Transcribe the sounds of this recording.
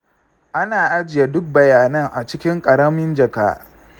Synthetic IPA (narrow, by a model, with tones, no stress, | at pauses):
ʔa˦naː˨ʔa˦d͡ʒɪ˨ja˦dʊ˦k̚bɐ˨jaː˨nɐ˦ŋʔa˨t͡ʃɪ˦kʲɪ˦ŋkʼɐ˨ɾɐ˦mɪ˦nd͡ʒɐ˨ka̰ː˦ʔ